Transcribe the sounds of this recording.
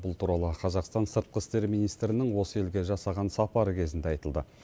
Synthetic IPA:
bʊlˠt̪ʰuɾɑlˠəqʰɑzɑqst̪ɑnsəɾt̪̚qəst̪e̞ɾmijnijst̪ɾɪnɪŋwo̞səe̞lɡʲe̞ʒɑsɑʁɑnsɑpɑɾəkʲʰe̞zɪnd̪eɑjt̪əlˠd̪ə

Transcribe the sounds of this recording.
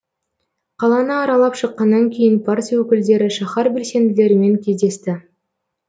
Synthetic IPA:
qʰɑlˠɑnəɑɾɑlˠɑpʃəqːɑnːɑŋkʲʰe̞jɪnpʰart̪ʲijwɵkʲɪld̪e̞ɾɪʃɑχɑɾbe̞lse̞nd̪ɪle̞ɾɪme̞ŋkʲʰe̞zd̪e̞st̪ɪ

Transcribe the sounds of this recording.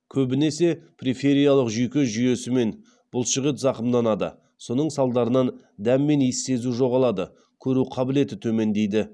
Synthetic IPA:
kʲʰɵbɪne̞se̞pʰrife̞ɾijalˠəqʒʏjkʲeʒʏje̞sɪme̞n | b̥ʊlˠʃəʁət̪zɑqəmd̪ɑnɑd̪ə̰ | so̞nəɴsɑlˠd̪ɑɾənɑn | d̪æmːe̞nijsːe̞zuʒo̞qɑlˠɑd̪ə | kʲʰɵɾuqʰɑbɪle̞t̪ɪt̪ʰɵme̞nd̪e̞jd̪ɪ

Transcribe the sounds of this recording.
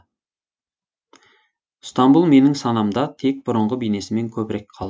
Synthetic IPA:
st̪ɑmbulˠme̞nɪŋsɑnɑmd̪ɑt̪ʰe̞k̚bʊɾəɴʁəbejne̞sɪme̞ŋkʲʰɵbɪɾek̚qʰɑlˠ

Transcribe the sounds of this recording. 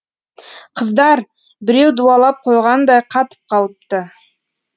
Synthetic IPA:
qʰəzd̪ɑɾ | bɪɾe̞wd̪uɑlˠɑp̚qʰo̞jʁɑnd̪ɑjqʰɑt̪ə̥p̚qʰɑlˠəp̚t̪ə

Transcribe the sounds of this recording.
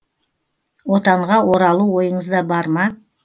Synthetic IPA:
wo̞t̪ɑɴʁɑwo̞ɾɑlˠuwo̞jəɴəzd̪ɑbɑɾmɑ

